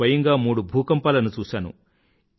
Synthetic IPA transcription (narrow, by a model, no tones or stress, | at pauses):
ɐjɐŋɡaːmuːɽubʱuːkɐmpaːlɐnut͡ʃuːʃaːnṵ